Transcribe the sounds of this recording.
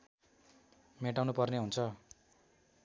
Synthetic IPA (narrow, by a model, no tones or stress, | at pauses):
meʈawnupʌrneɦunt͡sʰʌ